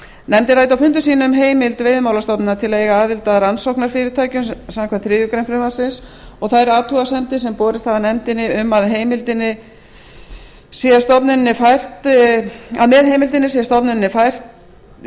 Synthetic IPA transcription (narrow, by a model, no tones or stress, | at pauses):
nɛmt̪ɪɾrajt̪awfʏnt̪ʏsiːnʏmɦeːjmɪlt̪veːjðmaːwlast̪ɔpnɪnat̪ʰɪlejɣaaːðɪlt̪aðɾansɔwhknaɾfɪːɾɪɾt̪ʰaːjcʏmsamkvaːθɾɪːjʏkɾejmfɾɪmasɪns | ɔɣθaðɛɾaːt̪ʰuɣasɛmt̪ɪsɛmpɔːɾɪst̪havanɛmt̪ɪnɪʏmaðɦeːjmɪlt̪ɪnːɪ | siːðast̪ɔpnɪnnːɪfajr̥t̪ | a̰ðmɛðhejmɪlt̪ɪnːɪsiːðast̪ɔpnɪnnːɪfajr̥t̪